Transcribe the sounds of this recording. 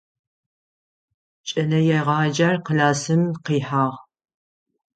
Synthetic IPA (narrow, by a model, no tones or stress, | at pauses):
t͡ʃʼɐnɐjɛʁɑːd͡ʒɐrqəlaːsɨmqiːħaːʁ